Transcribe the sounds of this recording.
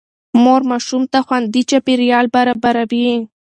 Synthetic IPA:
moɾmaʃʊmt̪axwand̪it͡ʃapiɾjɑlbaɾabaɾawi

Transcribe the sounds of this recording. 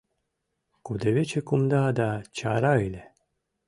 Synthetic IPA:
kud̪evet͡ʃekumd̪ad̪at͡ʃaɾaile

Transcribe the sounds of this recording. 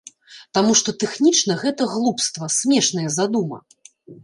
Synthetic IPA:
t̪amuʂt̪ɔt̪ɛxnʲit͡ʂnɐɣɛt̪ɐɣlˠupst̪vɐsʲmʲɛʂnɐjɐzad̪umɐ̰

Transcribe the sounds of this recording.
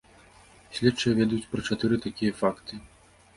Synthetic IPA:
sʲlʲɛtt͡ʂɨjɐvʲɛd̪jut͡sʲpɾɐt͡ʂat̪ɨɾɨt̪akʲijɐfakt̪ɨ

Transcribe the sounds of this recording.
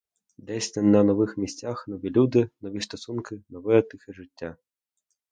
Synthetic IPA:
d̪ɛsʲt̪ʲɐnɐnɔʋɪxmʲisʲt͡sʲaxnɔʋʲilʲud̪ɪnɔʋʲist̪ɔsunkɪnɔʋɛjɛt̪ɪxɛʐɪtʲːa

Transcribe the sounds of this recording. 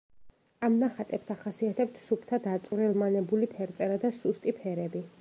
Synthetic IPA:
amnaχat̪ʼɛpsaχasiat̪ʰɛp̚t̪ʰsupʰt̪ʰad̪at̪sʼvɾɛlˠmanɛbulipʰɛɾt̪sʼɛɾad̪asust̪ʼipʰɛɾɛbi

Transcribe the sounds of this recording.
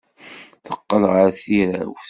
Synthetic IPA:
θəqːəlʁaɾθiɾæ̰wθ

